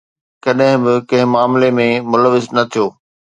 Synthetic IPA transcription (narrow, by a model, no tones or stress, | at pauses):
kɐɗɦɪ̃bɪkɐ̃ɦɪ̃maːmlemẽmʊləʋɪznɐt̪ʰijoː